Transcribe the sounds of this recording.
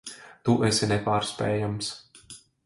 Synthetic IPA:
t̪uʔɛsʲinɛpaːɾsʲpʲɛ̰jams

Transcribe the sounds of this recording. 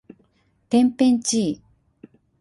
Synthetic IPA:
t̪empent͡ɕi

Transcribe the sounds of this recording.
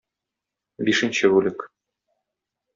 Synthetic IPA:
biʃɘ̆nʲɕɘβʉlʲɘk

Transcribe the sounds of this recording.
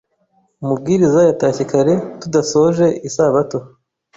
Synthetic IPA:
umub̚ɡiːɾizajatacikaɾe̞tudaso̞ʒe̞isaβato

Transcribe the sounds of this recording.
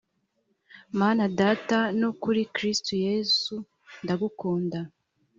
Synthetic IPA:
maːnadaːtanokuɾikɾistujezu | ndaɡukoːnda

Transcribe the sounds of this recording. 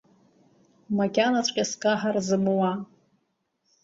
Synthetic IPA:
makʲanat͡sʷʼqʲʼaskʼaħarzɨmwa

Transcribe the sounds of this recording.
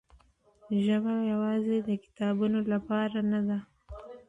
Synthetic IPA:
ʒəbajawɑzed̪əkɪ̥t̪ɑbunolapɑɾanad̪a

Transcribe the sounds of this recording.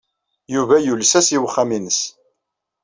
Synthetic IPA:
juvæjulsæsiwəχːaminəs

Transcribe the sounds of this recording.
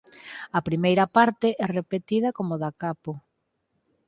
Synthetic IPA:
ɐpɾimejɾɐpaɾt̪ɪʔɛrepet̪ið̞ɐkomoðakapo

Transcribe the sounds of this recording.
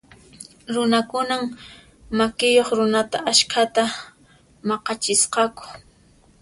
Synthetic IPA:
ɾʊnakʊnam | makɪjoχɾʊnat̪aʔaʃkʰat̪a | mɑqɑt͡ʃɪsqɑkʊ̥

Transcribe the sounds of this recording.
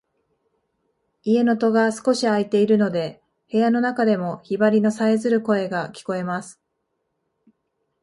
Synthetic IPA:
ie̞no̞t̪o̞ɡasɨ̥ko̞ɕiait̪e̞iɾɯ̟no̞d̪e̞ | he̞jano̞nakad̪e̞mo̞çibaɾʲino̞saezɨɾɯ̟ko̞e̞ɡakʲi̥ko̞e̞masɨ̥

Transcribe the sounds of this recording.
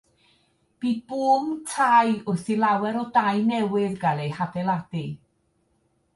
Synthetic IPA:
b̥iːb̥uːmtʰajʊθilˠawɛɾɔdajnɛwɪðɡalˠejhabɛlˠadi

